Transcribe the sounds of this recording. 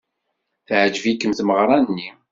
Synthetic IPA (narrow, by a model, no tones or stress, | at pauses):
θʕd͡ʒvikːəmθməʁɾˤɑnnːi